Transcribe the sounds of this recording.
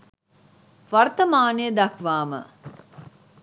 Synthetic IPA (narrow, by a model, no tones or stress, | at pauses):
ʋɐɾt̪əmaːnejəd̪ɐkʋaːmə̰